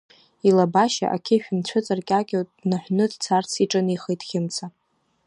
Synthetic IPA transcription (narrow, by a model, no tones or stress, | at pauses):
ilabaʃa̰ʔa̰kʲʰɪʃᶣʊnt͡ɕʷʰʊt͡sʼarkʲʼakʲʼowtʼnaħʷnɨdt͡sʰart͡sʰiʈ͡ʂʼɨniχəjtʼxʲɪmt͡sʰa